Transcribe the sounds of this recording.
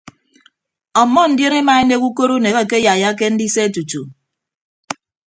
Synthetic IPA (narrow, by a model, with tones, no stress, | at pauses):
ɔ˨mːɔ˦n̩˨dje˦ne˦ma˨e˦ne˦ku˦ko˦ɾu˦ne˨ɣe˦˨ke˦ja˨ja˦k̬e˦n̩˦di˦se˦e˦tu˨tu˨